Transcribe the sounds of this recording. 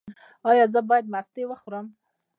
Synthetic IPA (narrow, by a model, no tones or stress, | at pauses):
ɑjɑzəbɑjad̪̚mast̪ewəxuɾəm